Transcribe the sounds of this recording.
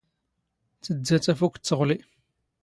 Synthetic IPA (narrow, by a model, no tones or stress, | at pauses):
t͡sːəd͡zːæt͡sæfukʷt͡sːəʁli